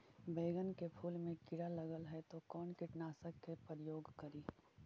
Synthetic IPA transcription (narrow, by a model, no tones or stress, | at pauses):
beːɡənkepʰuːlmẽkɪɽalɐɡəlɦɛt̪okɔːnkɪʈnaːsəkːepəɾjoːɡkɐɾiː